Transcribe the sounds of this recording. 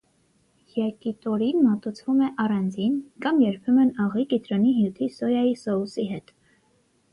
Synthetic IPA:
jɑkit̪ɔɾinmɑt̪ut͡sʰvumɛʔɑrɑnd͡zinkɑmjɛɾpʰɛmənɑʁikit̪ɾɔniɦjut̪ʰisɔjɑjisɔusiɦɛt̪

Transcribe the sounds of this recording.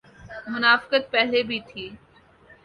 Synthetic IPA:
mʊnaːfɪ̥kət̪̚pɛɦlebʱit̪ʰiː

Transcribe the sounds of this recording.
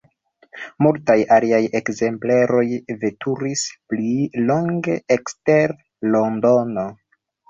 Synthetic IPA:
multajaliaje̞kze̞mpleɾo̞jve̞tʰuɾisplilo̞ŋɡe̞ekste̞ɾ | lo̞ndo̞no̞

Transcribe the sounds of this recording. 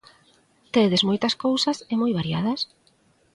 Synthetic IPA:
t̪eðezmojt̪ɐskowsɐsɪmojβaɾjað̞ɐs

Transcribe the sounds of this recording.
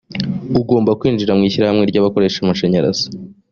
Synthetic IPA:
uɡo̞ːmbakwiːnd͡ʒiɾamŋiːçiɾahamŋe̞ɾɟaːβako̞ɾe̞ʃamut͡ʃeɲaɾa̰z̥ḁ

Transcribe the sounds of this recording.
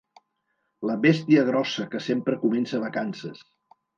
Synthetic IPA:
ləβest̪iəɣ̞ɾɔsəkəsempɾəkumɛnsəβəkansəs

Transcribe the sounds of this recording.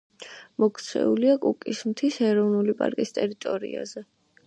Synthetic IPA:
mɔkʰt̪sʰɛ̰uliakʼukʼismt̪ʰisɛɾɔvnulipʼa̰ɾkʼist̪ʼɛɾit̪ʼɔɾḭa̰zɛ

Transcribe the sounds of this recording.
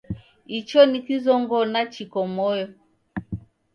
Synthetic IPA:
it͡ʃɔnikizɔŋɡɔnat͡ʃikɔmɔjɔ

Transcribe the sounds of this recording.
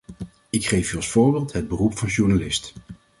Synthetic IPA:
ɪkχejfyɑlˠsfʊːɹbeːlˠtɦəd̚bərupfɑnʃuɹnalɪst

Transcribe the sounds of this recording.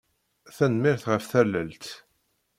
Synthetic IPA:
θænmɪɾθʁəfθælːəlt̪

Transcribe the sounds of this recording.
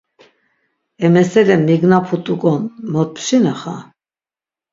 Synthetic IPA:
ɛmɛsɛlɛmmːiɡnapʰut̪ʼukʼɔnmɔt̪̚pʰʃinaχa̰

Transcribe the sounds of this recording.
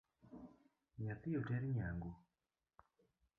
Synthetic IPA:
ɲat̪ijotɛɾiɲaŋɡo

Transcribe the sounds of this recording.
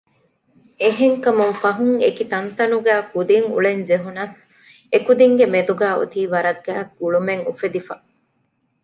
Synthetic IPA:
eɦeŋkɐmuŋfɐɦuŋekit̪ɐnt̪ɐnuɡæːkud̪iŋṵɭend͡ʒeɦunɐs | ekud̪iŋɡemed̪uɡæːṵt̪iːʋɐɾɐɡːæːɡuɭumeŋufed̪ifɐ

